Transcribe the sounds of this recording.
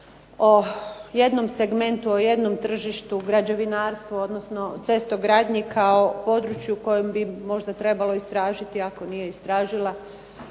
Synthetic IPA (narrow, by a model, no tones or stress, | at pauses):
oje̞d̪no̞mseɡme̞nt̪uoje̞d̪no̞mt̪r̩ʒiʃt̪uɡɾad͡ʒoʋinaːɾst̪ʋoo̞d̪nosno̞t̪se̞st̪oɡɾaːd̪ɲikʰao̞po̞d̪ɾut͡ʃjuko̞jembimo̞ʒd̪at̪ɾe̞balo̞ist̪ɾaːʒit̪iako̞nije̞ist̪ɾaːʒilˠa